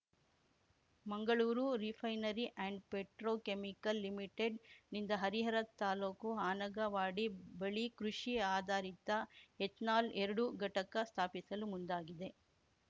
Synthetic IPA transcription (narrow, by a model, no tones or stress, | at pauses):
mɐŋɡɐɭuːɾuɾipʰɐjnɐɾiʔɛɳɖpeʈɾoːkemikɐlːimiʈeɖnind̪ɐɦɐɾiɦɐɾɐt̪aːloːkuɦaːnɐɡɐʋaːɽibɐɭikɾuʂiaːd̪ʱaːɾit̪ːɐet̪naːlʔeɾɐɽuɡɐʈɐkɐst̪ʰaːpisɐlumund̪aːɡid̪e̞